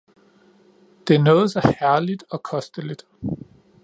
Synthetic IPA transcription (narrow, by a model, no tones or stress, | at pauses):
d̥e̝æɐnɔ̽ːð̞̩ˠsɒhæɐlid̥ɒ̽kʰɒ̽sd̥əlid̥